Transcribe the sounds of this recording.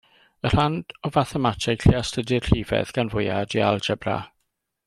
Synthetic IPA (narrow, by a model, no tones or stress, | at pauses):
ər̥and̥ɔvaθɛmatʰɪɡʰɬiastʰədɪrɬiːvɛ̰ðɡ̥anvʊjadialˠd͡ʒɛbra̰